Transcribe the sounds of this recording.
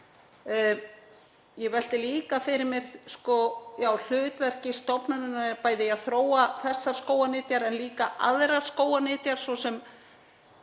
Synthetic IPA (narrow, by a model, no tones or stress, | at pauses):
jɛvɛl̥t̪ɪliːkafɪɾɪɾmɛɾskɔjaːwl̥ʏːt̪vɛr̥cɪst̪ɔpnaðɪnːapaːjðɪjaθɾoːwaθɛsːaɾ̥skoːwanɪːt̪jaɾɛnliːkaʔa̰ðɾaɾ̥skoːwanɪːt̪jaɾ̥svɔsɛm